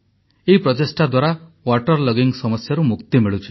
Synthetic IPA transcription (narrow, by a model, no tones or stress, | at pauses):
eipɾɔt̪esʈad̪waɾa | waʈɔɾlɔɡiŋsɔmɔsjaɾumukt̪imiɭut͡ʃʰi̥